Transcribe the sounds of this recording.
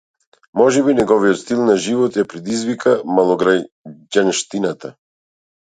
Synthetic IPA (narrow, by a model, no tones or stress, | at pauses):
mɔʒɛbinɛɡɔvijɔt̪st̪ilˠnaʒivɔt̪japɾɛd̪izvikʰamalˠɔɡɾa | ɟanʃt̪inat̪a